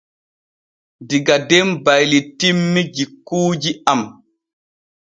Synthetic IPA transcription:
diɡadɛmbajlitimːid͡ʒikːuːd͡ʒiam

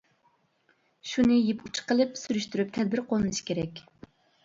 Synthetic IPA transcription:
ʃunɨjeput͡ʃʰʊ̥qəlˠɨpsyɾyʃt̪yɾyp̚t̪ʰɛd̪̚bɪɾqʰolˠɨnɨʃi̥kʲʰeɾɛkʲ

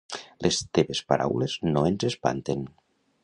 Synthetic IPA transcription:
lʔest̪eβespaɾa̰wleznoenzespa̰nt̪en

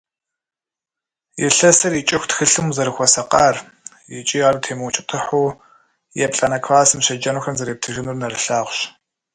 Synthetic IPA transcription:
jɪɬɐsɐrjit͡ʃʼɪxʷtxɨɬɨmzɐɾɨxʷɔsɐqʼaːr | jɪt͡ʃʼiːaːrutʰeːmɨwt͡ʃʼɪtʰɨħuː | jɛpʼɬʼɐnɐkʰfaːsɨmɕɐd͡ʒɐnuːxɐmzɐɾeːp̚tʰɨɣɪnurnɐrɨɬaːʁʷɕ

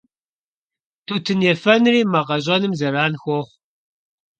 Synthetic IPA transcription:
tʰutʰɨnjɛfɐnriːmɐʁɐʑʼɐnɨmzɐɾaːnxʷoχʷ

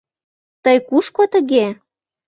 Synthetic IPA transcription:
t̪əjkuʃkot̪ə̆ɣe

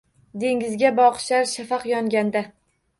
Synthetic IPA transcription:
d̪e̞ŋʲɪzɡʲabɒqʃaɾʃafɑqjɒŋɡʲand̪a

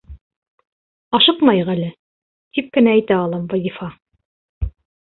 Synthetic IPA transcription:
ɑʃɤqmɑjɤʁælɘ | t̪ip̚kɘ̆næːjt̪æɑlˠɤmvɑzʲifɑ

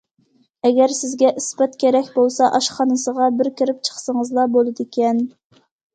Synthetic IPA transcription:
ɛɡʲɛɾsɪzɡʲɛʔispɛt̪kʲʰeɾɛkʲbolˠsɑʔɑʃχɑnɨsəʁɑbɪɾkʲiɾɪp̚t͡ʃʰə̥χsəŋəzlˠɑbolˠɨd̪ekʲɛn

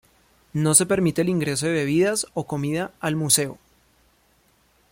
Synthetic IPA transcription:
no̞se̞pe̞ɾmit̪e̞liŋɡɾe̞s̬o̞ðeβe̞β̞iðaso̞ko̞miðaalmuse̞o̰

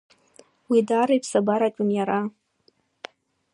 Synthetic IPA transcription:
widaɾɨjpʰsabaɾakʲʼʊnjaɾa

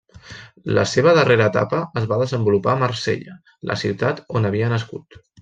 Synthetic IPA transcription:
lə̰seβ̞əðəreɾəːt̪a̰pəəzβaðəzəmbulupamərsḛʎə | lʔə̰siwt̪at̪onəβ̞iənəskut̪

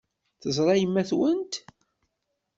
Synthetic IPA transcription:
θəzˤɾˤɑjəmːæθwənt̪

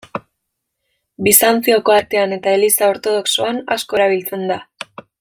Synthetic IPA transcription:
bisant͡sioko̞aɾt̪e̞ane̞t̪ae̞lisao̞ɾt̪o̞ð̞o̞ksoanasko̞eɾaβ̞ilt͡se̞nd̪a

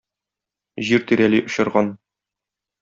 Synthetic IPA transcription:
ʑiɾt̪iɾæliʔŏɕɤ̆ɾʁɑn

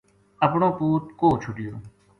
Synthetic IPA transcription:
əpɳõːpuːt̪̚koːt͡ʃʰʊɖɪjoː

